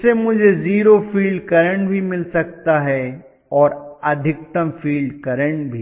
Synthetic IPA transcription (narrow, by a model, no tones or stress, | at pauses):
semʊd͡ʒʱeziːɾofiːlɖkɐɾə̃ɳʈbʱimɪlsɐk̚t̪aɦɛ | ɔːɾɐd̪ʱɪk̚t̪əmfiːlɖkɐɾə̃ɳʈ̚bʱi